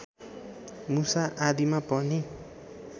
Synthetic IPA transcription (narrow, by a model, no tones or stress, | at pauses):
musaʔad̪imapʌni